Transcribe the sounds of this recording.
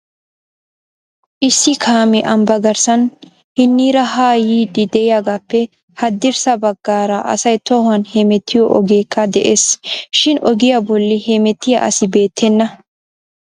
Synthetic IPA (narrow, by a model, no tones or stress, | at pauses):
ʔɪsːɪkʰaːmɛʔɐmbɐɡɐɾsɐn | hɪnːiːɾɐɦaːjiːd̪ɪd̪ɛɪjaɡapːɛ | hɐd̪ːɪɾsɐbɐɡːaːɾɐʔɐ̰sɐjt̪ohɐnhemɛt̪ʰːɪjɔʔɔɡeːkʰʼːɐd̪ɛʔeːsʃɪnɔɡɪjɐbɔlːɪhemɛt̪ːɪjɐ̰ʔɐ̰sɪbe̞ːt̪ːɛnːɐ